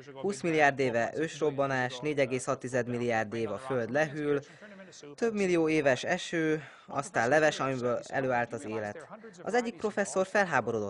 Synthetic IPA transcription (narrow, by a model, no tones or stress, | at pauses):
huːsmilːijaːrd̪eːvɛʔøːʃro̞bːɒnaːʃneːɟɛɡeːshɒt̪ːizɛd̪milːijaːrd̪eːvɒføld̪lɛɦyl | t̪ø̞bmilːijoːeːvɛʃɛʃøː | ɒ̰st̪aːnlɛvɛʃɒmibøːɛ̰løːaːlt̪ɒzeːlɛt̪ɒ̰zɛɟːik̚pro̞fɛsːo̞rfɛlɦaːboɾoːd̪ot̪ː